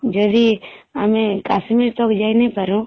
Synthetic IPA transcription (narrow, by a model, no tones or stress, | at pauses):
d͡ʒod̪iamẽkasmiɾt̪okd͡ʒaːinẽpəɾũ